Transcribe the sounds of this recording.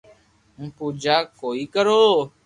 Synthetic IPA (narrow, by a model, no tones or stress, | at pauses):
m̩pud͡ʒakoːikəɾoː